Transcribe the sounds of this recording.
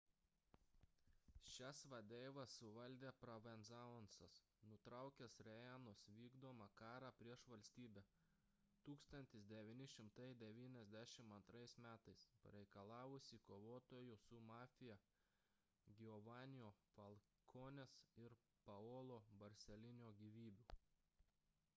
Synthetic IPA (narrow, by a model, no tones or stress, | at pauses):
ʃʲæsʋɐd̪ʲɛɪʋɐsʊʋɐlʲd̪ʲeːpɾɐʋɛnzɑɔnsɐs | nʊt̪ɾɑˑʊkʲɛsɾʲɛjɛnosʋʲiːɡd̪oːmɑkɑːɾɑːpʲɾʲiɛʃʋɐlʲsʲt̪ʲiːbʲɛ | t̪uːkst̪ɐnʲt̪ʲɪsd̪ʲɛʋʲiːnʲɪʃʲɪmt̪ɐɪd̪ʲɛʋʲiːnʲɛzʲd̪ʲæʃʲɪmɐnt̪ɾɐɪsmʲæːt̪ɐɪspɐ̰ɾʲɛɪkɐlˠɑːʋʊsʲikoːʋoːt̪oːjʊsʊmɑːfʲɪjɛ | ɡʲɪɔʋɑːnʲɪjoːfɐlˠ | kʰoːnʲesɪɾ | pɐoːlˠoːbɐɾʲsʲɛlʲɪnʲoːɡʲiːʋʲiːbʲʊ